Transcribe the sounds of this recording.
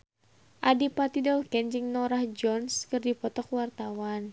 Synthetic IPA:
ʔadipat̪idɔlkɛɲd͡ʒiŋnɔɾahd͡ʒɔnskɨrdipɔt̪ɔkwart̪awan

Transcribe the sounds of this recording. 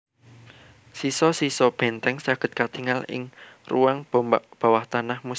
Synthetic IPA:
sisɔsisɔb̥ɛ̤nt̪ɛŋsaɡ̥ə̤t̪̚kat̪iŋalɪ̰ŋruaŋbb̥a̤waht̪anahmu

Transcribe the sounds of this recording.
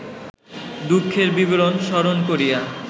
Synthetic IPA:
d̪ukʰːeɾbibelonʃɔɾonkoɾija

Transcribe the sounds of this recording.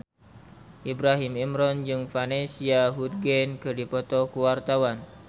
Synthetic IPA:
ʔibɾaɦimimɾɔnd͡ʒɨŋfanesiaɦud̚ɡɛnkɨdipɔt̪ɔkuwart̪awan

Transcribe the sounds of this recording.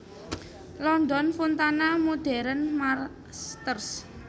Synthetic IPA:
lɔnd̪ɔnfunt̪anamud̪̥ɛ̤ɾənmar | st̪ərs

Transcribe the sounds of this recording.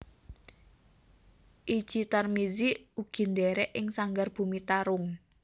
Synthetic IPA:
ʔid̥ʒ̥i̤t̪armiziuɡ̥i̤nd̪ɛɾɛʔɪŋsaŋɡarb̥ṳmit̪aɾʊŋ

